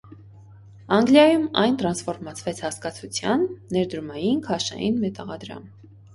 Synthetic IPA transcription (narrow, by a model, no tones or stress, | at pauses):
ɑŋɡljɑjumɑjnt̪ɾɑnsfɔɾmɑt͡sʰvɛt͡sʰhɑskɑt͡sʰut͡sʰjɑnːɛɾd̪ɾumɑjinkʰɑʃɑ̰jḭnmɛt̪ɑʁɑd̪ɾɑ̰m